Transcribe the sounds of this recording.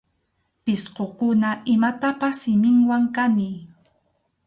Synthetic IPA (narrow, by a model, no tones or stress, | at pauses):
pɪsqokʊnaʔɪmat̪apasːɪmɪŋwaŋkanɪ